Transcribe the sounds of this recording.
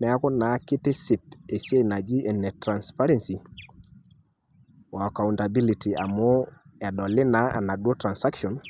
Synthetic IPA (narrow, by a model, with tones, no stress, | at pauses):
nɛ˨a˦kɔ˦na˨˦kɪ˦tɪ˦si˨p̚e˨si˦e˦i˨na˨d͡ʒi˦ɛ˨nɛ˨tɾa˨nspa˦ɾɛ˦nsi˨ | wa˨ka˨unta˨bi˦li˨ti˨a˨mɔ˦ɛ˨ɗɔ˨lɪ˦na˦a̰˨na˨dwɔ˦tɾa˨nsa˦kʃɔ˨n